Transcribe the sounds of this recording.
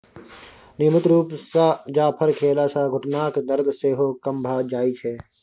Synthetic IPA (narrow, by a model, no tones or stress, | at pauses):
nɪmət̪ɾuːpsad͡ʒaːpʰɐɾkʰeːlasaːɡʱʊʈnaːkd̪ɐɾd̪ʱseːɦoːkɐmbʱaːd͡ʒaːit͡ʃʰeː